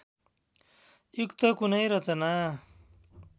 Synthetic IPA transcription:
jukt̪ʌkunʌjɾʌt͡sʌna

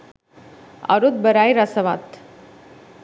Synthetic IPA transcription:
a̰ɾut̪̚bəɾajɾasəʋat̪

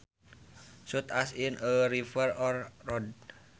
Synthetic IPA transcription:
sut̪asinəɾifərɔrːɔd

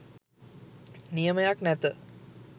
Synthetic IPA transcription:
nijəməjaknæt̪ə

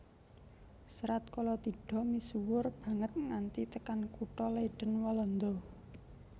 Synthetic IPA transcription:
səɾat̪̚kɔlɔt̪iɖ̥ɔ̤misuwʊrb̥ä̤ŋət̪̚ŋant̪it̪əkankuʈɔleɖ̥ə̤nwɔlɔnd̪ɔ

